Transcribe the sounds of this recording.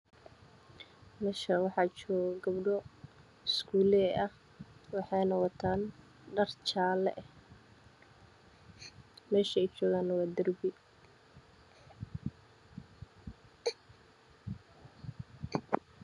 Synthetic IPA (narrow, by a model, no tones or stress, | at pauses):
mɛːʃɐwɑħɑːt͡ʃɔːɡɐbɖɔ | ɪskʰuːlɛɛɐh | wɑħɑjnɐwɑt̪ʰaːn | ɖɐrt͡ʃaːlɛ̰ʔɛh | mɛːʃɛɛjt͡ʃɔːɣaːnwɑːd̪ɐrbɪ